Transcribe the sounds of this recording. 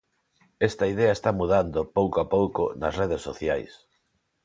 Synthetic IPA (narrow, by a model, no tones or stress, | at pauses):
est̪ɐið̞eɐest̪amuðand̪opowkoapowkonɐsreð̞esːoθja̰js